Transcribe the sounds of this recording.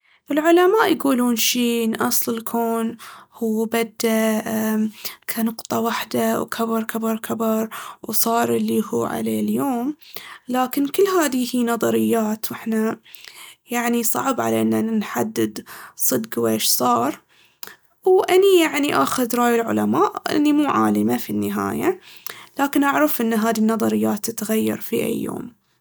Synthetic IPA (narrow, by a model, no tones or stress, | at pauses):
ʔɪlʕʊlamaːʔjɡuːluːnʃiːʔɪnːʔɑsˤlɪlkʰoːnhuːbad̪ːa | kʰanʊqt̪ˤɑwaħd̪awkʰabɨɾˤkʰabɨɾˤkʰabɪɾˤwsˤɑːɾˤɪlːihṵːʕa̰lḛːljoːmlaːkɪnkɪlːɦaːðihiːnɑðˤɑɾɪjːaːt̪wʔɪħna | jaʕnisˤɑ̰ʕbʕa̰laʔɪnːanħad̪ːɪd̪sˤɨd̪ɡweːʃsˤɑːɾˤ | wʔanijaʕniʔaːxʊd̪ɾˤɑːjɪlʕʊ̰lamaːʔʔɪ̰nːimuːʕa̰ːlɪmafinːɪɦa̰ːjalaːkɪnʔaʕɾɑfʔɪnːɦaːd̪inːɑðˤɑɾɪjːaːt̪ːɪt̪ɣajːɑ̰ɾˤfiʔa̰jːo̰ːm